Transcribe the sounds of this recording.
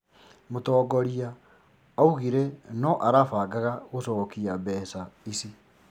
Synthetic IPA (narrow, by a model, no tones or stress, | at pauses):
motɔːɡɔɾiaː | uɣiɾenɔʔaɾafaːɡaɣaɣosɔːkiabɛːsaisi